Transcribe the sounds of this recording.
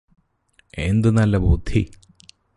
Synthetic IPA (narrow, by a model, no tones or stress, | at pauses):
end̪ɨnɐlːɐbud̪ʱi